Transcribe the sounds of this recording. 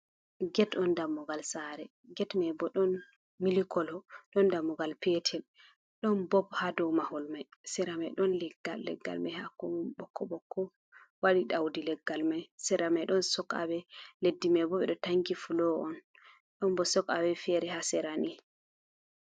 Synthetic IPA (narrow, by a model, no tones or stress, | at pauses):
ɡɛtɔndamːɔɡalsaɾɛ | ɡɛtmɛbɔɗɔn | milikʰɔlɔɗɔndamːɔɡalpɛtʰɛl | ɗɔnbɔbhadɔwmahɔlmajsɛɾamajɗɔnlɛɡːalːɛ̰ɡːa̰lmajhakɔmumɓɔkʰːɔɓɔkʰːɔ | waɗiɗawdilɛɡːalmajsɛɾamajɗɔnsɔka̰wɛledːimɛbɔɓɛɗɔtaŋɡifulɔɔn | ɗɔnbɔsɔkawɛfɛɾɛhasɛɾani